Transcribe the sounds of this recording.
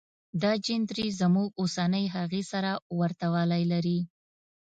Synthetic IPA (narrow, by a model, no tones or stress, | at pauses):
d̪ɑd͡ʒɪnd̪ɾizəmuɡosanəjɦaɣesaɾawaɾt̪awɑlajlaɾi